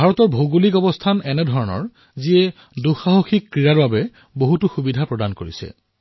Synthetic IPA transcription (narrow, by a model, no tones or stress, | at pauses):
bʱaɹɔtɔɹbʱoɡulikɔbɔstʰanɛnɛdʱɔɹɔnɔ̰ɹ | ziɛ | duxaɦoxikːɹijaɹbabɛ | boɦutuxubidʱapɹɔdankoɹḭsɛ̰